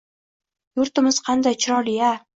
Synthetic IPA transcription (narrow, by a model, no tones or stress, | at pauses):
jʊɾt̪ɪmɪz̥qʰɑnd̪ajt͡ʃʰɪɾɒlɪja